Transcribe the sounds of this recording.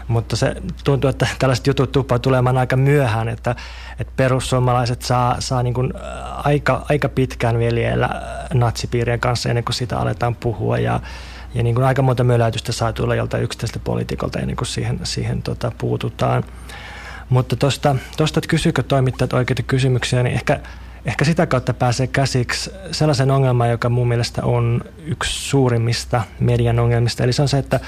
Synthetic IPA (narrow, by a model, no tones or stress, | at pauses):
mut̪ːɑsḛt̪unt̪uet̪ːæt̪ælːæse̥t̪jut̪ut̪t̪upːɑːt̪ulemɑːnɑikɑmyøhæːnet̪ːæ | et̪perusːuomːɑlɑiset̪sɑːsɑːniːŋkun | ɑikɑʔɑikɑpit̪kæːnʋieliḛlːæ̰nɑt̪sipiːrieŋkɑnsːɑḛnːeŋkussiːt̪æ̰ɑ̰lḛt̪ɑːmpuhṵɑ̰jɑ̰ | jɑniːŋkunɑikɑmont̪ɑmyølæyt̪yst̪æsɑːt̪ulːɑjo̰lt̪ɑiyksi̥t̪ːæiselt̪æpo̰lḭt̪iko̰lt̪ɑḛnːḛŋkussḭːhensḭːhḛnt̪ot̪ɑpuːt̪ut̪ɑːn | mut̪ːɑt̪ost̪ɑt̪ost̪ɑt̪kysyːkøt̪oimit̪ːɑːt̪oikeit̪ɑ̥kysymyksiænḭʔehkæ | ehkæsit̪ækɑut̪ːɑpæːseːkæsiksselːɑsenoŋːelmɑːjokɑmuːmːielest̪æ̰ʔon | ykssuːrimːist̪ɑmediɑnoŋːelmist̪ɑeliseonseet̪ːæ